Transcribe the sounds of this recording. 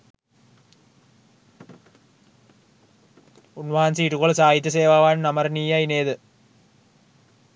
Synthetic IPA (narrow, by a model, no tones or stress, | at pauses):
unʋaːnsiːʈːukːoɭɐsaːjit̪ːjɐseːʋaːʋaːnnɐmɐrniːjaineːðɨ